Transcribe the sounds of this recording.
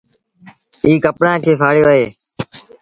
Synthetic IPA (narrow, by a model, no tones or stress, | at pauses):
iːkəpɽãːkʰeːfʰaːɽjoːɦeː